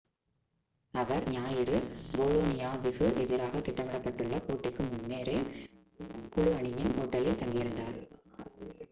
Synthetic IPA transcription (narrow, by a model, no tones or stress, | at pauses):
ɐʋɐɾɲaːjɪɾɯboːloːnɪjaːʋɪɣɯʔɛðɪɾaːɣɐt̪ːɪʈːɐmɐɽɐpːɐʈːɯɭːɐpoːʈːɪkːɯmʊnːeːɾeː | kʊɻɯɐɳɪjɪnoːʈːɐlɪlt̪ɐŋɡɪjɪɾɯnd̪aːɾ